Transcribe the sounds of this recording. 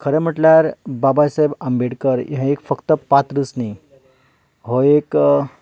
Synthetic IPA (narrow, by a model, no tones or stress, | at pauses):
kʰəɾɛ̃m̤əʈljaɾbabajsajbəmbeɽkəɾḭɦãekfəkt̪əpat̪ɾɨsni | ɦoek